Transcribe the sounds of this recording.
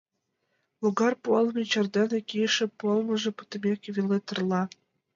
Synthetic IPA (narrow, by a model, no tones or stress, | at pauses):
luɡɑrpuɑlˠmʲet͡ɕɑrd̪ɑnekʲiʃĕplmə̆ʒĕpu̥t̪ə̆mʲekβʲilet̪ərlˠɑ